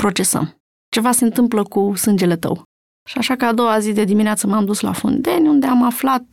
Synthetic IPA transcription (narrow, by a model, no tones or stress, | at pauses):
pɾo̞t͡ʃe̞sə̰m | t͡ʃe̞vase̞nt̪ɨmpləkusɨnd͡ʒe̞le̞t̪ə̰w | ʃiaʃakəad̪o̞wazid̪e̞d̪imineat̪səmamd̪usla̰fṵnd̪e̞nʲund̪e̞amaflat̪̚